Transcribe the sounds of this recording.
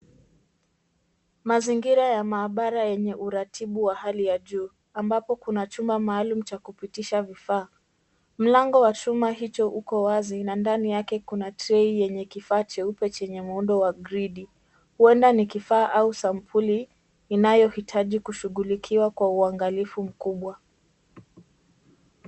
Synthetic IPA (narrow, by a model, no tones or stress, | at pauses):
maziŋɡiɾajamaːɓaɾajɛɲɛʔuɾatʰiɓuwahalijaʄuː | ambapɔkunat͡ʃumbamaːlum̩t͡ʃakupitiʃavifaː | m̩laŋɡɔwat͡ʃumaɦit͡ʃɔʔukɔwazinandanijakɛkunatɾɛijɛɲɛkifaːt͡ʃɛupɛt͡ʃɛɲɛmunɗɔwaɡɾiɗi | huɛndanikifaːʔausampʰuliː | najɔhitʰaʄikuʃuɣulikʰiwakwauaŋɡalifum̩kuɓwa